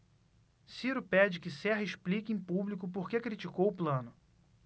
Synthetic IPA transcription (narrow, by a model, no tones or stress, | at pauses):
siɾʊpɛd͡ʒɪkɪsɛɦɐiʃplikɪẽj̃publikʊpoɾkekɾit͡ʃikowʊplɐ̃nʊ